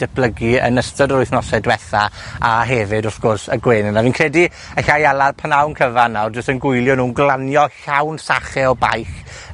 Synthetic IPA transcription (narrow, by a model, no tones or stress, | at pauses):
d̥ɛpʰlˠəɡiə̰nəstɔdəɾʊjθnɔsɛdwɛθaaɦɛvɪdɔθɡ̥ɔrsəɡweːnənaviːnkʰrɛdi | əɬajalarpʰanawnkʰəvanawrd͡ʒʊstənɡʊjlˠjɔnuːnɡlˠanjɔɬawnsaχɛɔba̰jx